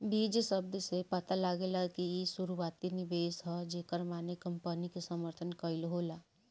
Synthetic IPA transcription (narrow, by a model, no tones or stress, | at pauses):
biːd͡ʒsəb̚d̪sepət̪alaːɡelakiisuɾuaːt̪inibeːsɦɛd͡ʒeːkəɾmaːnekəmpənikesəməɾt̪ʰənkəilɦoːlaː